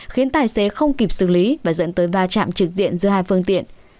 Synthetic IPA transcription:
xi˨˦ənt̪aː˨˩jse˨˦xə˧wŋ͡mki˨˩p̚sɨ˧˩li˨˦vaː˨˩zə̰˧˥nt̪əː˨˦jvaː˧t͡ɕa̰ː˧˨mt͡ɕɨ˨˩k̚zḭ˧˨ənzɨ̰˧əhaː˧jfɨ˧əŋt̪ḭ˧˨ən

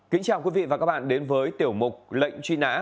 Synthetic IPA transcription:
kï˨˦ŋ̟t͡ɕaː˨˩wkwi˨˦vḭ˧˨a˨˩aː˦˥k̚ɓa̰ː˧˨nɗe˨˦nvəː˨˦jt̪i˧˩əwmʊ˨˩k͡p̚lə̰˧˨jŋ̟t͡ɕwi˧na̰ː˧˥

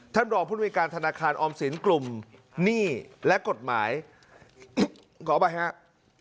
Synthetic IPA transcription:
t̪ʰa˥˩nɾɔː˨˩pʰu˥˩˨kaː˧nt̪ʰa˧naː˧kʰaː˧nʔɔː˧msi˩˦nklu˨˩mniː˥˩lɛ˦˥ko˨˩t̪̚maː˩˦j | kʰɔː˩˦ba˧ja˦˥ʔ

